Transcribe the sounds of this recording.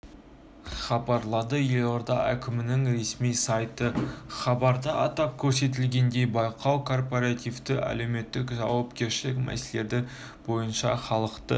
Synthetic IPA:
χɑbɑɾlˠɑd̪əje̞loɾd̪ɑʔæ̰kʲʰɪmɪnɪŋɾe̞smijsɑjt̪əχɑbɑɾd̪ɑʔɑ̰t̪ɑp̚kʲʰɵɾse̞t̪̬ɪlɡʲe̞nd̪e̞jbɑjqʰɑwkʰo̞rpoɾat̪ivt̪ɪʔæ̰le̞wme̞t̪ːɪkʒɑ̰wɑpkʲe̞ɾʃɪlɪkʲmæ̰sele̞d̪ɪ | bo̞jənʃɑχɑlˠəqt̪ə̰

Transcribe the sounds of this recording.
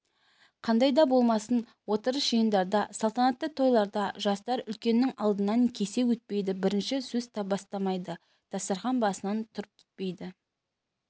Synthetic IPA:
qʰɑnd̪ɑjd̪ɑbo̞lˠmɑsən | wo̞t̪əɾəʒ̥əjənd̪ɑɾd̪ɑsɑlˠt̪ɑnɑt̪ːət̪ʰo̞jlˠɑɾd̪ɑʒɑst̪ɑɾʏlkʲe̞nːɪŋɑlˠd̪ənɑŋkʲʰe̞se̞wɵt̪̚pe̞jd̪ɪbɪɾɪnʃɪsɵzt̪ʰɑbɑst̪ɑmɑjd̪ə | d̪̥ʰɑsɑɾχɑnbɑsənɑnt̪ʰʊɾəp̚kʲʰɪ̥t̪̚pe̞jd̪ɪ

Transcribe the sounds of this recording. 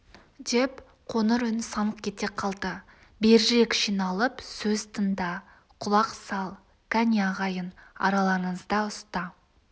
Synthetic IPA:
d̪e̞p | qʰo̞nəɾʏnsɑnəq̚kʲʰe̞t̪e̞qʰɑlˠd̪ə | beɾʒe̞kʲʃinɑlˠəpsɵzt̪ʰənd̪ɑ | qʰʊlˠɑqsɑlˠ | kʰanʲɑʁɑjənɑ̰ɾɑlˠɑɾəɴəzd̪ɑʊst̪ɑ

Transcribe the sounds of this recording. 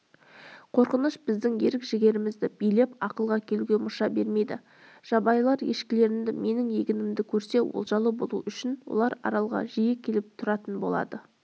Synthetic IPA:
qʰo̞ɾqənəʃbɪzd̪ɪŋje̞ɾɪkʒɪɡʲe̞ɾɪmɪzd̪ɪb̥ijle̞pɑqəlˠʁɑkʲʰeluɡʲe̞mʊʃɑbe̞ɾme̞jd̪ɪ̰ | ʒ̥ɑbɑjlˠɑɾje̞̰ʃkʲɪle̞ɾɪnd̪ɪme̞nɪŋje̞ɡʲɪnɪmd̪ɪkʲʰɵɾse̞wo̰lˠʒɑlˠəbo̞̰lˠuʔʏʃɪnwo̞̰lˠɑɾɑ̰ɾɑlˠʁɑ̰ʒijɪkʲʰe̞lɪp̚t̪ʰʊɾɑt̪ənbo̞lˠɑ̰d̪ə

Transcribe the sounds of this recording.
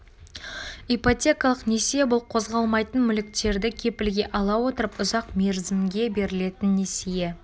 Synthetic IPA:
ipot̪ʲe̞kɑlˠəqne̞sijebʊlˠqʰo̞zʁɑlˠmɑjt̪ənmʏlɪk̚t̪e̞ɾd̪ɪkʲʰe̞pɪlɡʲe̞ʔɑlˠɑwot̪əɾəpʊzɑqme̞ɾzɪmɡʲe̞be̞ɾɪle̞t̪ɪnːesije

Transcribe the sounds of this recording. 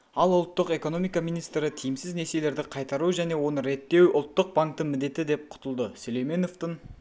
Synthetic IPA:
ɑlˠʊlˠt̪ːəqe̞ko̞no̞mijkɑmijnijst̪ɾɪt̪ʰijɪmsɪzne̞ɾsele̞ɾd̪ɪqʰɑjt̪ɑɾuʒæne̞wo̞nəɾe̞t̪ːe̞wʔʊlˠt̪ːəq̚baŋkt̪əmɪd̪e̞t̪ɪd̪e̞p̚qʰʊ̥t̪əlˠd̪əsɵlejme̞no̞ft̪ən

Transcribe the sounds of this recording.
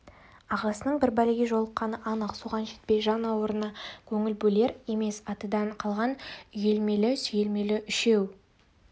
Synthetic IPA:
ɑʁɑsənəɴbɪɾbælɪɡʲe̞ʒo̞lˠəqːɑnəʔɑnəqsuʁɑnʃet̪pe̞jʒɑnɑwəɾənɑkʲʰɵŋɪlbɵle̞ɾe̞me̞sɑt̪əd̪ɑɴqʰɑlˠʁɑnʏje̞lme̞lɪsɵjelme̞lɪʔʏʃe̞w

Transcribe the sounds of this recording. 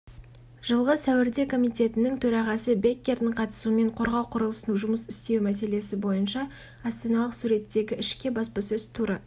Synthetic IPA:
ʒ̥əlˠʁəsæwɪɾd̪e̞kʰo̞mijt̪ʲe̞t̪ɪnɪŋt̪ʰɵɾɑʁɑsəbe̞kʲːe̞ɾd̪ɪɴqʰɑt̪ə̥suəme̞ɴqʰo̞ɾʁɑwqʰʊɾəlˠəsənuʒʊməsɪst̪e̞wmæse̞le̞sɪbo̞jənʃɑː | st̪enɑlˠəqsuɾe̞t̪ːe̞ɡʲɪɪʃkʲe̞bɑspɑsɵz̥t̪ʰuɾə

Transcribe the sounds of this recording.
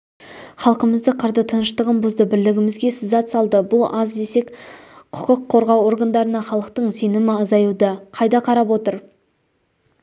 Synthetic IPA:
χɑlˠqəməzd̪əqʰəɾd̪ət̪ʰənəʃt̪əʁəmbʊzd̪əbɪɾlɪɡʲɪmɪzɡʲe̞sɪzɑt̪sɑlˠd̪əbʊlˠɑzd̪e̞se̞kqʰʊ̥qəqʰːo̞ɾʁɑwo̞ɾɡand̪ɑɾənɑχɑlˠəqt̪əɴse̞nɪmɪɑzɑjud̪əqʰɑjd̪ɑqʰɑɾɑpwo̞t̪əɾ

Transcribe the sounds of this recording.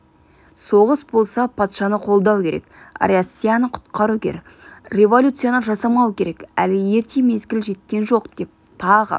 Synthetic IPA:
so̞ʁəsbo̞lˠsɑpʰɑt̪ʃɑnəqʰo̞lˠd̪ɑwkʲe̞ɾe̞̰ka̰ɾasʲijanəqʰʊ̥t̪qɑɾukʲʰḛɾek | rʲe̞vo̞lʲut̪sɨjanəʒɑsɑmɑwəkʲʰe̞ɾe̞kæ̰lɪje̞ɾt̪ʰeme̞zɡʲɪlʒe̞t̪̚kʲe̞nʒo̞qd̪̥e̞p̚ | t̪ʰɑʁə̰

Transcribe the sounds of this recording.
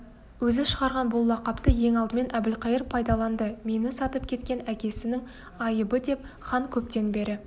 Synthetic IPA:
wɵzɪʃəʁɑɾʁɑnbʊlˠːɑqɑpt̪əje̞ŋɑlˠd̪əme̞nʔæbɪlqɑjəɾpʰːɑjd̪ɑlˠɑnd̪əme̞nɪsɑt̪əp̚kʲʰe̞t̪kʲe̞nækʲe̞sɪnɪŋ | ɑjəbəd̪e̞p | χɑŋkʲʰɵp̚t̪e̞nbe̞ɾɪ

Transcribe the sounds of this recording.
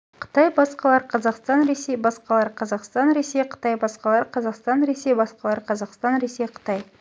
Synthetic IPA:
qʰə̥t̪ɑjbɑsqɑlˠɑɾqʰɑzɑqst̪ɑnɾesejbɑsqɑlˠɑɾqʰɑzɑqst̪ɑnɾe̞sejqʰə̥t̪ɑjbɑsqɑlˠɑɾqʰɑzɑqst̪ɑnɾe̞sejbɑsqɑlˠɑɾqʰɑzɑqst̪ɑnɾe̞sejqʰə̥t̪ɑj

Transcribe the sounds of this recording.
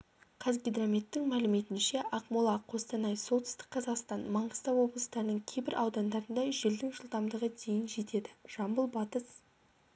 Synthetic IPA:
qʰɑzɡʲid̪ramʲet̪ːɪŋmælɪme̞t̪ɪnʃeʔɑqmulˠɑqʰo̞st̪ɑnɑjso̞lˠt̪ɪst̪ɪ̥qqʰɑzɑqst̪ɑnmɑɴʁəst̪ɑwwo̞blˠəst̪ɑɾənəɴkʲʰejbɪɾʔɑwd̪ɑnd̪ɑɾənd̪ɑʒeld̪ɪŋʒəlˠt̪ɑmd̪əʁəd̪e̞jɪnʒe̞t̪e̞d̪ɪʒ̥ɑmbəlˠbɑt̪əs

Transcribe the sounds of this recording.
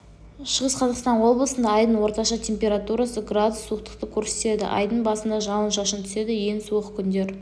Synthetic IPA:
ʃəʁəsqʰɑzɑqst̪ɑnwo̞blˠəsənd̪ɑːjd̪ənwo̞ɾt̪ɑʃɑt̪ʲʰe̞mpʲe̞ɾat̪uɾasəɡrad̪ʊsːuəqt̪ə̥qt̪əkʲʰɵɾset̪e̞d̪ɪ̰ʔɑ̰jd̪əɴbɑsənd̪ɑʒɑlˠənʃɑʃənt̪ʰʏ̥se̞d̪ɪjensuəqkʲʰʏnd̪e̞ɾ

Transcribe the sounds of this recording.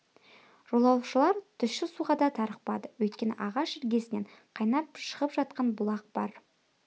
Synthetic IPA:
ʒ̥olˠɑwʃəlˠɑɾt̪ʰʏʃʃɪsuʁɑd̪ɑt̪ʰɑɾəq̚pɑ̰d̪əwɵjt̪̚kʲe̞nɪʔɑʁɑʃɪɾɡʲe̞sɪneɴqʰɑjnɑp̚ʃəʁəpʒɑt̪̚qɑnbʊlˠɑq̚b̥ɑɾ

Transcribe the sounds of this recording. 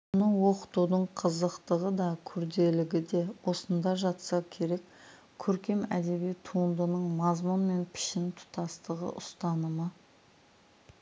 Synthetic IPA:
nəwo̞qə̥t̪ud̪əɴqʰəzəqt̪əʁəd̪ɑkʲʰʏɾd̪e̞lɪɡʲɪd̪e̞wo̞sənd̪ɑʒɑt̪sɑkʲʰe̞ɾe̞k | kʲʰːɵɾkʲe̞mæd̪e̞bijt̪ʰuənd̪ənəɴmɑzmʊnme̞npʰɪ̥ʃɪnt̪ʰʊ̥t̪ɑst̪əʁə̰ʔʊst̪ɑnəmə

